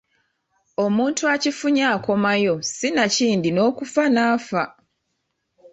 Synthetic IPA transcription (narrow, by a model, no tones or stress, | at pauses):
o̞muːntuacifuɲaːko̞majo̞sinaciːndino̞ːkufanaːfa